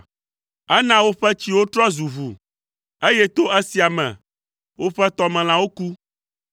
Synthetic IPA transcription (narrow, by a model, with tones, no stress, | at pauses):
ɛ˦nã˦wo˦ɸɛ˦t͡ɕi˦wo˦t̪ɾɔ˦zu˨vu˨ | e˦jɛ˦t̪o˦ʔɛ˦si˨a˨mɛ̰̃˨ | wo˦ɸɛ˦t̪ɔ˦mɛ̃˨l̃ã˦wo˦ku˦